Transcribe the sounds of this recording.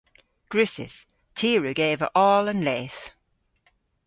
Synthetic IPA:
ɡ̥ɹʉsɪ̰s | tʰiːɹəɡeɪvə̰ʔɔːlə̃nleːθ

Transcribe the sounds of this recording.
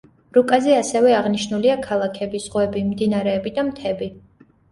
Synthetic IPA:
ɾukʼazɛasɛvɛaʁniʃnuliakʰalˠakʰɛbiz̥ʁwɛbimd̪inaɾɛːbid̪amt̪ʰɛbi

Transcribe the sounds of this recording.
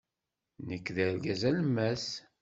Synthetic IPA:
nəkːðəɾɡæzælmːæs

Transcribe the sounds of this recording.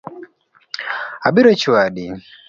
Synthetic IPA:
abiɾɔt͡ʃiwaɗi

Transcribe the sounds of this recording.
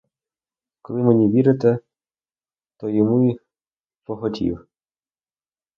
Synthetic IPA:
kɔlˠɪmenʲiʋʲiɾɪt̪ɛ | t̪ɔjɔmuix | pɔxɔtʲḭw

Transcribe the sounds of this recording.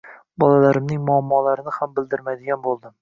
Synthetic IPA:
bɒlalaɾɪmnɪŋmʊamːɒlaɾɪnɪhambɪld̪ɪɾmajd̪ɪɡʲanbolˠd̪ɪm

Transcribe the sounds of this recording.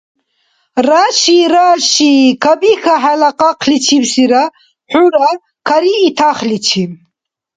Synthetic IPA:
raːʃiɾaːʃiːkʰabixaħalaqʼaqʰlit͡ʃʰibsiɾa | ħuɾa | kʰaɾiːt̪ʰaχlit͡ʃʰi

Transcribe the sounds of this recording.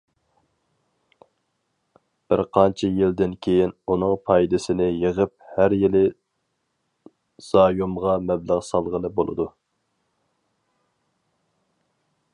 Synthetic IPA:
b̥ɪɾqʰɑnt͡ʃʰijɪld̪ɪnkʲʰejinunɨŋpʰɑjd̪ɪsɪnɪjeʁəp̚hæɾjilɪ | z̥ɑːjumʁɑmɛbləʁsɑlˠʁəlˠɨbolˠɨ̰d̪u

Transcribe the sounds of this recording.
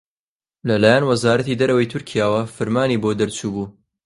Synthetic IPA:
lɐlaːjɛnwɐzaːɾɐt̪id̪ɐɾɐwɐjt̪ʰʊɾkʰijaːwɐfɨɾmaːniːbod̪ɐɾt͡ʃʰuːbuː

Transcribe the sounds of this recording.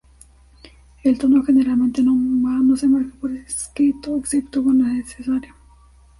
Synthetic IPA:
elt̪onoxeneɾalmẽnt̪enomanosemaɾkapoɾeskɾit̪oeksip̚t̪okoɾnesnesesaɾjo

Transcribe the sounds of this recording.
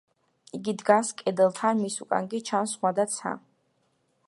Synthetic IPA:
iɡid̪ɡaskʼɛd̪ɛlˠt̪ʰanmisukʼa̰ŋɡit͡ʃʰansχwad̪at̪sʰa̰

